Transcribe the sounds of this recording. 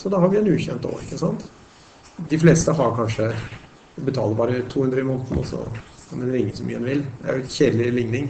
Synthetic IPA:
sɔd̪ɑhɑɾʋɪɛnʉːçɛnt̪o̰ːɾɪkːəsɑnt̪ | d̪ɪfleːst̪əɦɑɾkʰɑnʂə | bət̪ʰɑ̰ːləɾbɑːɾət̪ʰuːhʉnd̪ɾəɪmunt̪n̩ɔ̰sɔ̰kʰɑnd̪ɛnɾɪŋːəsɔmyːəɛnʋɪld̪ɛæɾjʊɛçeːd̪lɪlɪŋnɪŋ

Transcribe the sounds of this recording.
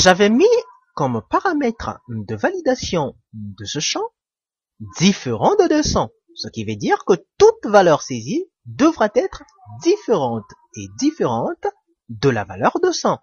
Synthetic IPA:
ʒavɛmi | kɔmpaʁamɛt̪χəd̪əvalid̪asjɔ̃ | d̪əsəʃɑ̃ | d̪ifeʁɑ̃d̪d̪əsɑ̃ | səkʲivɛd̪iʁkət̪ut̪valœʁsezi | d̪əvʁat̪ɛt̪χ | d̪ifeʁɑ̃t̪ | ed̪ifeʁɑ̃t̪ | d̪əla̰va̰lœʁd̪əsɑ̃

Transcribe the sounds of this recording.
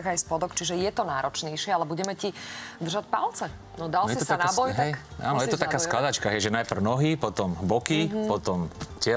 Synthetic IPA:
ɣajspɔd̪ɔkt͡ʃiʒɛjɛt̪ɔnaːɾɔt͡ʃɲɛjʃɪɛalɛbuɟɛmɛcid̪r̩ʒacpalt͡sɛ | nɔd̪aljɛsit̪sanabɔjɦt̪aɛjʔa̰ːnjɛt̪ɔt̪akaːskklad̪at͡ʃkaɦɛjʒɛnajpr̩ʊnɔɦipɔt̪ɔmɦbɔkipɔt̪ɔmcɪɛ

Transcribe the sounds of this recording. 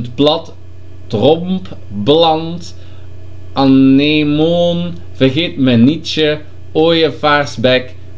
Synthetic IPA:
ətplɑt | trɔmp | blɑnt | ʔɑnemon | v̥ərɣeːtmənit͡ʃə | oːjəfarsbɛk

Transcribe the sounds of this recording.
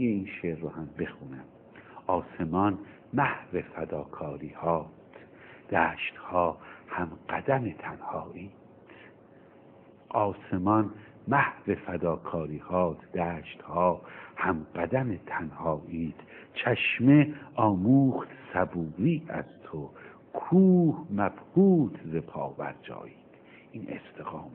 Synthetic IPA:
eiːnʃeɾːohæmbe̞xuːnæm | ɒːse̞mɒn | mæhvefæd̪ɒːkʰɒːɾiːhɒːt̪ʰ | d̪̥æːʃt̪hɒːhæmɢæd̪æmet̪ʰænhɒːʔiː | t̪ʰ | ʔɒːsemɒn | mæhve̞fæd̪ɒːkʰɒːɾiːhɒːt̪ʰd̪æːʃt̪hɒːhæmɢæd̪æmet̪ʰænhɒːʔiːt̪ʰt͡ʃʰæʃmeʔɒːmuːχt̪sæbuːɾiːæ̰z̥t̪ʰo | kʰuːhmæb̥huːt̪ʰzepʰɒ̰ːbæ̰ɾd͡ʒɒ̰ːiːt̪ | inḛst̪ʰeɣɒːm

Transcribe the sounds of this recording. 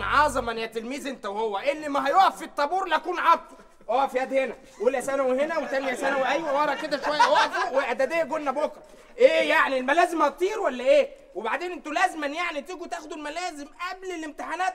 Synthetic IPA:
ʕɑzˤɑmʔeneæt̪ːelmiːzʔent̪æwehowːæʔelːimæɦæjoʔæfːit̪ˤːɑbuːɾlækuːnʕɑb̪ɑ̥ | ʔoːæfijæd̪henæ | ʔulæsænæwehenæwet̪æmjæsænæweʔæjwæwɑɾˤɑked̪æʃowæjːæʔod̪uweʔæd̪æd̪eːɡonːæbokɾˤɑ | ʔeːjaʕnielmælæːzemhæt̪t̪ˤːiːɾwælːæʔeː | webaʕd̪eːnʔent̪ulæːzmænjaʕnit̪eɡut̪æːxod̪ulmælæːzemʔæblelemt̪eħanæːt̪

